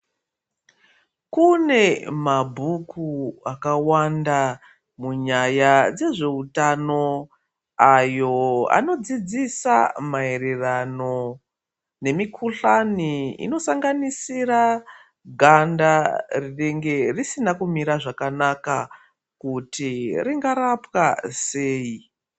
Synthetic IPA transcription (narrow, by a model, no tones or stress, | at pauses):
kune̞mabʱukuakawanda | muɲajad͡ze̞ʐe̞utano̞ | ajo̞a̰no̞d͡zid͡zisa̰mae̞ɾerano̞ | ne̞mikʰuɬaniḭno̞saŋɡanisiɾa | ɡʱandariɗeŋɡe̞risinakumiɾaʐakanaka | kutiriŋɡaɾapwase̞ːi